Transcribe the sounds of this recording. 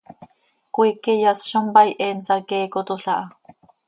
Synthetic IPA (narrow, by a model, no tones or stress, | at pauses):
kʷiːkijasʃombɑjʔɛnsɑkeːkot̪oɬɑʔɑ